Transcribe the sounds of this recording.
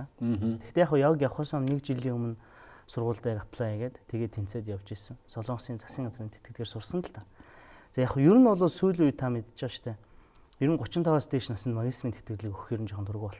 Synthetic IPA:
t̪ʰe̥xt̪eːaχʊːjawəkʲjawχɔːsɔmnekt͡ɕiɮiːŋɵmɵ̆n | sʊrʁʊːɮt̪æːkapʰɮaiɣeːt̪ʰːeɣeːt̪ʰːen̥t͡seːt̪jawt͡ɕeːsə̆ŋsɔɮʊːɴsiːnt͡sḁsɡʲiːŋɢat͡sriːnt̪ʰet̪̚ɡɘ̆t̪ɡeːrsʊrsənʰə̆ɬt̪ʰaːt͡saːjaχjɵɾɘ̆nʊɮʊːsujɮujt̪ʰamet̪t͡ɕ̆əʃt̪ʰæː | jɵɾɘ̆ŋɢʊt͡ɕɪ̆nt̪ʰɔwaːst̪ʰeːʃnasə̆nt̪maɣʲismint̪ʰet̪ɡɘ̆ɮɘ̆kɵxiːɾɘ̆nt͡ɕʰɔχə̆nt̪ʰɵrɣujpɔɮ

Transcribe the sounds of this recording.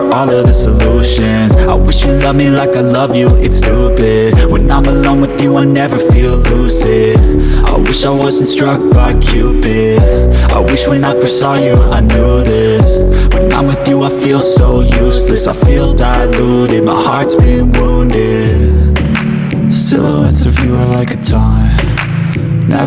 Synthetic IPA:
ɔlˠʌðɨsəluʃɨ̃nzaɪwɪʃjɨlʌvmilaɪkaɪlʌvjɨʔɨtstʰubɪd̥wɨ̃nãɪ̃məlõʊ̃nwɨðjɨaɪnɛvə˞filˠlusɪd | ʔa̰ɪwɪʃaɪwʌzn̩tstɹ̥ʌk̚b̥aɪkʰj̥ʉbɪda̰ɪwɪʃwɨ̃naɪfə˞sɔjɨa̰ɪnuðɪ | swɨ̃nã̰ɪ̃mwɨðjɨaɪfilˠsoʊjʉslɨsaɪfilˠdaɪluɾɨd̚maɪhɑɹtsb̥iɪ̃ŋwũʊ̃ndɪ | d | sɪ̰lˠoʊɨ̃nsʌvjɨə˞laɪkɨtʰãɪ̃m | na̰

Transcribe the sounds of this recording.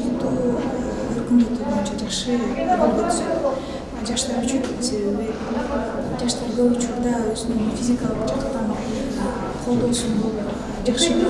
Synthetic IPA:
ut̪ːuː | øɾkymd̪øt̪ybo̞jynt͡ʃʰɑd͡ʒɑχʃɯbolˠo | d͡ʒɑʃt̪ɑɾyt͡ʃet̪ːynse̞βe̞βi | d͡ʒɑʃt̪ɑɾɡøput͡ʃuɾd̪ɑøzynynfʲizʲikalˠɯqd͡ʒɑqt̪ɑn | qʰo̞lˠd̪o̞lˠuʃunbolˠ | d͡ʒɑχʃɯ

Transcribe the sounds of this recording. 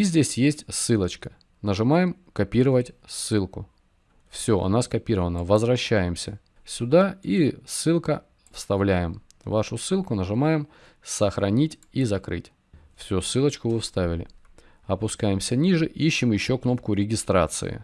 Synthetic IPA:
izʲdʲesʲjesʲtʲsɨlˠət͡ɕkə̥ | nəʐɨmajɪmkɐpʲiɾəvətʲsːɨlˠkʊ | fsʲɵʔɐ̰naskɐpʲiɾəvənəvəzvɾɐɕːæjɪmsʲə | sʲʊd̪aisɨlˠkə | fst̪ɐvlʲæjɪm | vaʂʊsɨlˠkʊnəʐɨmajɪm | səxɾɐnʲitʲizɐkɾɨ̰tʲ | fsʲusɨlˠət͡ɕkʊvɨfst̪avʲɪlʲɪ̰ | ɐpʊskajɪmsʲənʲiʐɨʔiɕːɪmjɪɕːokno̞p̚kʊɾʲɪɡʲɪst̪ɾa̰t̪sɨ̰ɪ̰

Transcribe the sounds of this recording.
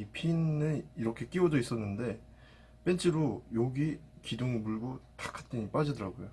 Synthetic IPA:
ipʰinɯniɾʌkʰe̞k͈iodois͈ʌnːɯnde̞ | p͈e̞nt͡ɕʰiɾojoɡikidoŋmuɭɡotḁkʰḁt͈iɲip͈ad͡ʑidɯɾaɡojo

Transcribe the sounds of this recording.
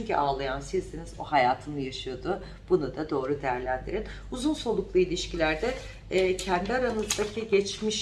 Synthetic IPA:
yɲcʰy̰ʔaːlˠajansizd̪inizo̞̰hajaːt̪ʰɯnɯjaʃɯjo̞d̪ʊ | b̥unud̪ad̪o̞ːɾud̪ejæɾlʲænd̪iɾin | uzunso̞lˠuklˠuilʲiʃcilʲæɾd̪ɛː | cʰænd̪iaɾanɯzd̪acʰiɟɛt͡ʃmiʃ

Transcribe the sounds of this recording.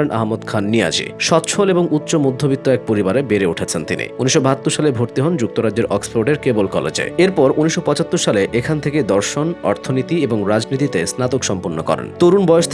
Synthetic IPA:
enʔa̰ɦmod̪kʰanːia̰d͡ʑḭʃɔt̪ːʃʰoleboŋut̪ːɕomod̪ʱːobit̪ːoɛk̚poɾibaɾebeɾeoʈʰet͡ɕʰent̪inḭuniʃːobat̪ːoʃalebʱoɾt̪iɦɔnd͡ʑuk̚t̪oɾad͡ʑd͡ʑeɾʔɔksfoɾʈeɾkebolkɔlḛd͡ʑḛeɾpɔɾuniʃːopɔt͡ɕat̪ːoʃaleʔekʰant̪ʰeked̪ɔɾʃonɔ̰ɾt̪ʰonit̪ieboŋɾad͡ʑnit̪it̪esnat̪okʃɔmpuɾnːokɔ̰ɾḛnt̪oɾunbɔjoʃt̪ʰ

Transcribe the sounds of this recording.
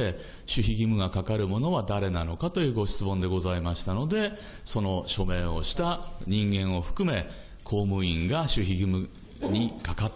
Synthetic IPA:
e | ɕɨçiɡʲimɯ̟ɡakakaɾɯ̟mo̞no̞β̞ad̪aɾe̞nano̞kat̪o̞jɯ̟ːɡo̞ɕi̥t͡sɨmõ̞nd̪e̞ɡo̞zaimaɕi̥t̪ano̞d̪e̞ | so̞no̞ɕo̞me̞ːo̞̰ɕi̥t̪aɲ̟ĩŋɡẽ̞ɰ̃o̞ɸɯ̟̥kɯ̟me̞ | kʰo̞ːmɯ̟ĩŋɡaɕɨçiɡʲimɯ̟ | ɲ̟ikakat̪ː

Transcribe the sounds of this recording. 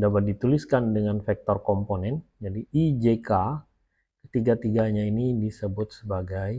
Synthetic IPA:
dapat̪̚dit̪uliskandəŋanfɛk̚t̪ɔrkɔmponɛnd͡ʒadiːd͡ʒeka | kə̥t̪iɡat̪iɡaɲainidisəbʊt̪̚səbaɡaj

